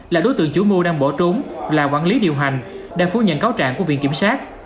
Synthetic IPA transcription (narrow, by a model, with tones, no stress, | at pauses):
laː˨˩ɗo˨˦jt̪ɨ̰˨əŋt͡ɕu˨˦mu˧ɗaː˧ŋɓo˧˩t͡ɕʊ˨˦ŋ͡mlaː˨˩kwaː˧˩nli˨˦ɗi˨˩əwɦa˨˩jŋ̟ | ɗa̰ː˧˩fu˧ɲə̰˧˨nkaː˨˦wt͡ɕa̰ː˧˨ŋku˧˩əvḭ˧˨ənki˧˩msaː˦˥t̚